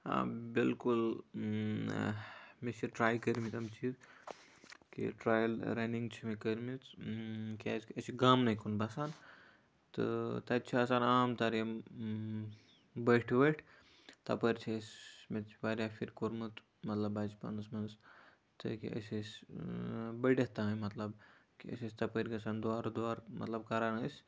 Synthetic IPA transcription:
a̰bilkul | mesʰiʈɾaːjkəɾmit̪ɐmt͡ʃiːz | kḭʈɾaːjlɾɐniŋɡt͡ʃʰimekəɾmit̪kaskɐsiɡaːmnɐkʰunbɐsaːn | t̪ɨ̰t̪ɐt̪t͡ʃʰiɐsaːnaːmt̪ɐɾa | bəʈʰʋəʈʰ | t̪ɐ̰pəɾʲt͡ʃʰisʲmet̪t͡ʃʰibaɾʲjafiɾʲkoɾmɨt̪ | mɐt̪lɐbad͡ʒpa̰nɨsmɐns | t̪ɨ̰kḭʔə̰sʲisʲ | bəɽʲet̪aɦɐ̃jmɐt̪lɐbkiə̰sʲisʲt̪ɐpəɾʲɡɐsand̪oaɾud̪oaɾmɐt̪lɐbkaɾanəsʲ

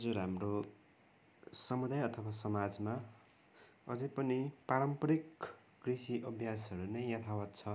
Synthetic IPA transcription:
ʌd͡zuɾamro | sʌmud̪ajʌt̪ʰʌwasʌmad͡zma | ʌ̰d͡zʌjpʌnipaɾʌmpʌɾik | krisiʔʌbʱjas̬ʌɾunʌjjʌt̪ʰawʌt̪t͡sʰʌ

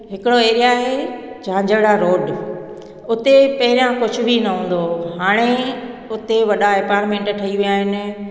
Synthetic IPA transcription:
ɦɪkɪɽoeːɾijaːɦed͡ʑãːd͡ʑəɽaɾoːɖ | ʊt̪epɐɦɪɾijãkʊd͡ʑʱʊ̆bʱinɐɦũːn̆d̪oɦaːɽ̃eʊt̪eʋɐɗaepaːɾmẽːɳʈʈʰɐiʋijaːɦɪnɪ̆

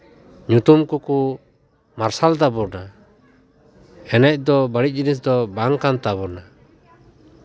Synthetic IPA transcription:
ɲut̪umkuku | maɾsalt̪abɔɾna | ɛnɛc̚d̪ɔbəɽic̚d͡ʒinis̬d̪ɔbaŋkant̪abɔɾna

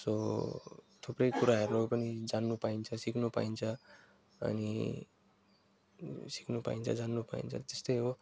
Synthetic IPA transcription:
so | t̪ʰopɾʌjkuɾaɦeɾlopʌnid͡zanːupaint͡sʰʌsikʰnupa̰int͡sʰʌ | ʌ̰nḭ | si̥kʰnupa̰int͡sʰʌ̰d͡zanːupa̰ḭnt͡sʰʌ̰t̪est̪ʌjɦo

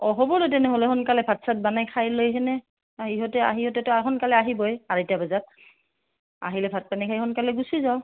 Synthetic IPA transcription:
ɔɦɔbɔlot̬ɛnɛɦolɛxɔnkalɛbʱatsat̚banajkʰajlojɦɛnɛ | aɦiɦɔtɛa̰ɦihɔtɛtʊaɦɔnkalɛaɦibɔjaɹitabazat̚ | a̰ɦilɛbʱat̚panikʰajhɔnkalɛɡusizaʊ

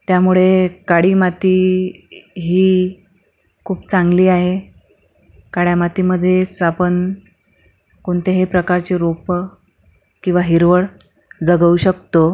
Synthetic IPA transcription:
t̪jamuɭekaɽiːmat̪iː | ɦiː | kʰuːpt͡saŋɡliːaɦe | kaɽjamat̪iːməd̪ʱːjesapən | koɳt̪eɦepɾəkaɾt͡ɕiɾop | kĩw̃ʋaɦiɾʋəɭ | d͡zəɡəuɕək̚t̪o

